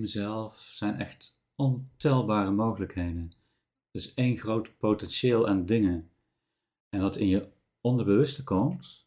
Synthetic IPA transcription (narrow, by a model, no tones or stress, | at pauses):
məzɛlˠfsɛjnʔɛ̰xt | ɔntɛlˠbaːrəmowχələkɦejdən | d̥əsejnχrowtpowtɛnʃɪːlˠaːndɪŋən | ɛnʋɑtɪnjə | ɔndəɹbəʋɵstəkɔmt